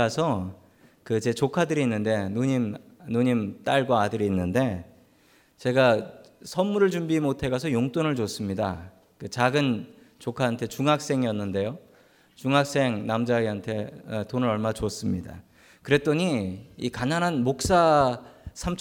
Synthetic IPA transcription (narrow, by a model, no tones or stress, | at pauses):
asʰʌ | kɯt͡ɕe̞t͡ɕokʰadɯɾiːnːɯnde̞nuɲimnuɲimt͈aɭɡwoadɯɾiːnːɯnde̞ | t͡ɕe̞ɡa | sʰʌnːuɾɯɭd͡ʑumbimotʰe̞ɡasʰʌjoŋt͈onɯɭd͡ʑos͈ɯmɲida | kɯt͡ɕaɡɯn | t͡ɕokʰaɦantʰe̞t͡ɕuŋɦak̚s͈e̞ŋijʌnːɯnde̞jo | t͡ɕuŋɦak̚s͈e̞ŋnamd͡ʑaiɦantʰe̞tonɯɾʌɭmat͡ɕoʌs͈ɯmɲida̰ | kɯɾe̞t͈oɲiikanananmok̚s͈a | sʰamt͡ɕʰ